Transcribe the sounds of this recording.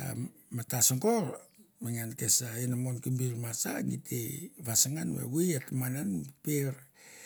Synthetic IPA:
a̰ | matasoŋɡolmaŋankesainamonkimbiɾmasa̰ŋitʰeβasaŋanwḛwiatamananppeɾ

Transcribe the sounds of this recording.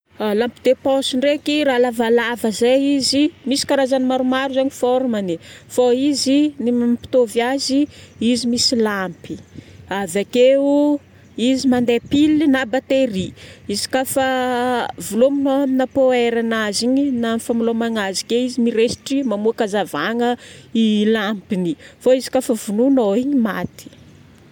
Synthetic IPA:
lampid̪epɔsiɳɖ͡ʐekiɾalavalavəzeizimisi̥kaɾazanimaɾumaɾuzaɲifɔɾumanifoizinimampi̥t̪ovjaziizimisilampiavakeu | izimand̪epilinabat̪eɾiizi̥kafə | vulominoaminapoeɾanaziɲinanifamilomaŋazi̥keizimiɾesi̥ʈ͡ʂimamuakazavaŋəilampinifoizi̥kafəvununoiɲimat̪i̥

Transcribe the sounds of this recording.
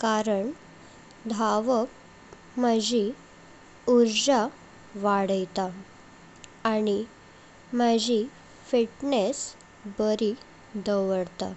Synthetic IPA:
kaɾəɳ | d̪ʱaʋəp | məd͡ʑi | uɾd͡ʑa | ʋaɽəjt̪a | ɽi | məd͡ʑi | fiʈnes | bəɾi | d̪əʋəɽt̪a̰

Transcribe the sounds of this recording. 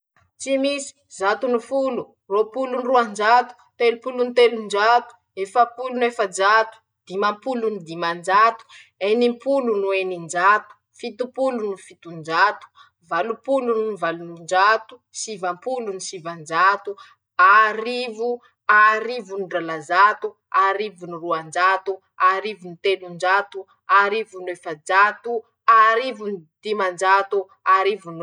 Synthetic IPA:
t͡simisi̥zat̪unufulu | ropulunruand͡ʒat̪u̥t̪elupulunit̪elund͡ʒat̪u̥ | efapulunuefad͡ʒat̪u̥ | d̪̥imampulunid̪imand͡ʒat̪u̥ | enimpulunuenind͡ʒat̪u̥ | fit̪upulunufit̪und͡ʒat̪u̥ | valupulunivalunund͡ʒat̪u̥sivampulunisivand͡ʒat̪u | aɾivu | aɾivunuɖ͡ʐalazat̪u | aɾivuniruand͡ʒat̪u | aɾivunit̪enund͡ʒat̪u | aɾivunwefad͡ʒat̪u | aɾivunid̪̥imand͡ʒat̪u | aɾivun

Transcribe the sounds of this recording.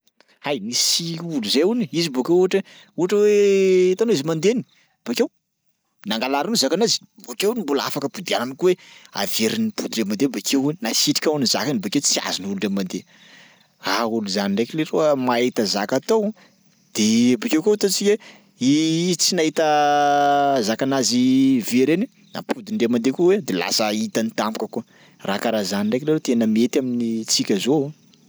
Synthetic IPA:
hajnisiuluzeuniizibokewuaʈ͡ʂe | uɦaʈ͡ʂəwet̪anoizimand̪eni̥ | b̥akew | naŋɡalaɾunizakanazi̥ | bokewnimbula̰fakəpud̪iananikuwea̰veɾinibud̪iremand̪ebakʰewuninasiʈ͡ʂi̥kʲawniza̰kanibaket͡sia̰zinulunɖ͡ʐemand̪e | auluzaniɳɖ͡ʐejkileroəmaet̪əzakat̪ow | d̪̥ebakewkot̪at͡sikʲe | iizt͡sinaɦit̪ə | zakanaziveɾeni | na̰pʰud̪iɳɖ͡ʐemand̪ekuwed̪ela̰səit̪anit̪ampukəku | rakaɾazaniɳɖ͡ʐaekleɾet̪enəmiet̪aminit͡sikʲəzo

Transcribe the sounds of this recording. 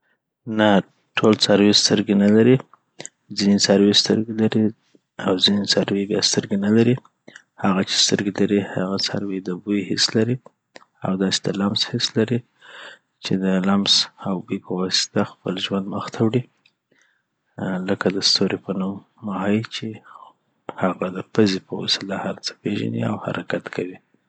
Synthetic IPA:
na | ʈʰolsaɾwest̪əɾɡenalaɾi | zinesaɾwest̪ə̰ɾɡelaɾi | awzinesaɾwebjɑst̪əɾɡenalaɾi | haɣat͡ʃe̥st̪əɾɡelaɾihaɣasa̰ɾwed̪əbujhɪ̰slaɾi | a̰wd̪ɑse̥d̪əlamshɪslaɾi | t͡ʃed̪əlamsawbikowɑsɪ̥t̪axpəlʒwand̪məxt̪ʰawɽi | ləkad̪əst̪oɾepənumː | ahit͡ʃe | haɣad̪əpəzepəwo̰sɪlahaɾt͡sə̥peʒa̰nḭa̰wha̰ɾʔakat̪kʰawi

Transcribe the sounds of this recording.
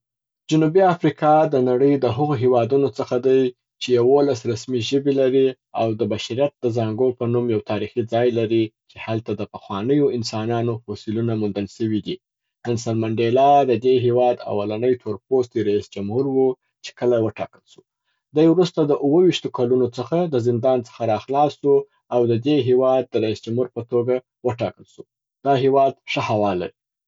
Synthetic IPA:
d͡ʒʊnubiafɾikʰɑd̪ənaɽəjd̪əɦʊɣoɦewɑd̪unot͡səxad̪aj | t͡ʃejawolasɾasmiʒəbelaɾi | awd̪əbaʃaɾjat̪̚d̪əzɑŋɡopənumjawt̪ʰɑɾixid͡zɑjlaɾit͡ʃehalt̪ad̪əpəxwɑnəjoɪnsɑnɑnohosilunamund̪əlʃəwid̪i | pɪnsalmaɳɖelɑd̪əd̪eɦewɑd̪a̰walanəjt̪ʰoɾp̚ost̪iɾaisd͡ʒamhuɾwu | t͡ʃe̥kəlawəʈɑ̰kəlʃu̥ | d̪ajwɾust̪ad̪əʔuwəwiʃt̪okalunot͡səxad̪əzɪnd̪ɑnt͡sə̥xaɾɑxlɑsu | awd̪əd̪eɦewɑd̪̚ːəɾaisd͡ʒamhuɾpət̪oɡa | wəʈɑkəlʃu | d̪̥ɑɦewɑd̪ʂəhawɑla̰ɾi

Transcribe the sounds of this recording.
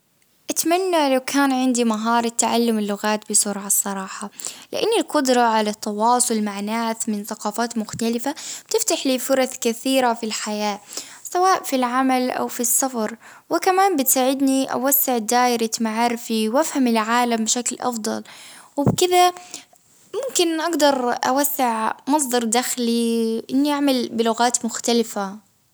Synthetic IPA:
ʔat̪manːalawkʰaːnʕɪnd̪imaɦɑːɾˤt̪ːaʕalːʊmɪlːʊɣaːt̪bɪsʊɾʕɑsˤːɑɾˤɑːħɑlɪ̰ʔanːilqʊd̪ɾˤɑʕalat̪ʰːɑwɑːsˤʊlmaʕnaːθmɪnθaqɑːfaːt̪mʊxt̪alɪfab̥̚t̪ɪft̪aħliːfʊɾˤɑθkaθiːɾafilħajaːsawaːʔfilʕamalʔa̰wfisːɑfɑɾˤ | wɪkamaːmbɪt̪saːʕɪd̪niʔa̰wasːɪʕd̪aːʔɾat̪maʕɑɾfiwʔafhamɪlʕaːlambɪʃaklʔɑ̰fd̪ˤɑ̰lwɪbkɪða | mʊmkɪnʔaɡd̪ɑɾˤʔa̰wasːɪʕmɑs̬ˤd̪ˤɑɾˤd̪axliʔɪnːiʔaʕmalbɪlʊɣaːt̪mʊxt̪alɪfa

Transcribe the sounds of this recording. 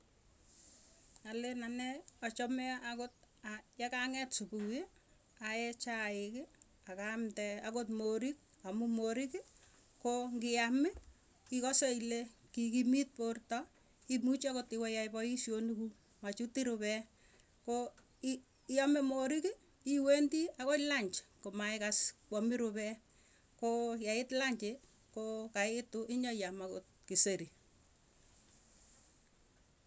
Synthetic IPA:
alenanɛɔt͡ʃɔmɛʔakot̚ajakaŋɛtsupuwe | ajɛt͡ʃaɪkɪ | akamtɛakotmoɾik̚ | amumoɾiki | koŋɡɪamɪ | kikɔseilekikimit̚portɔ | imut͡ʃakotɪwɛjaipɔisjonuku | mat͡ʃutiɾʊβɛ | ko | jamɛmoɾiki | iwentiakolaɲt͡ʃkomajkaskwɔmiɾʊbɛ | kojaɪtlaɲt͡ʃe | kokaɪtʊʔɪɲɔjamakot | kiseɾi

